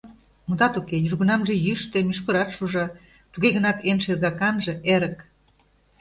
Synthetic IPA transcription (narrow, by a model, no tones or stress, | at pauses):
mud̪ɑt̪ukejyrɣə̆nɑmʒĕjyʃt̪emyʃ̬kə̆ɾɑt̪ʃuʒɑ | t̪uɣeɣə̆nɑt̪enʃerɣɑkɑnʒĕʔeɾə̆k